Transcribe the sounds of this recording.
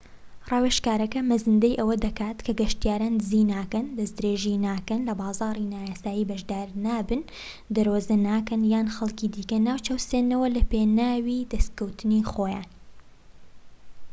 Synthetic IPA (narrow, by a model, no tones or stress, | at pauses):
rɑːweʃkaːɾɐkɐmɐzɨnd̪ɐjʔɐwɐd̪ɐkaːt̪kʰɐɡɐʃt̪ijaːɾaːnzinaːkɐnd̪ɐsd̪ɾeːʒinaːkɐnlɐbɑːzɑːɾˤinaːjaːsaːjiːbɐʒd̪aːɾnaːbɨn | d̪ɐɾwozɐnaːkɐnjaːnxɐlˠkid̪iːkɐnaːwt͡ʃɐwseːnːɐwɐlɐpeːnaːwiːd̪ɐskɐwt̪ʰɨnixoːja̰ːn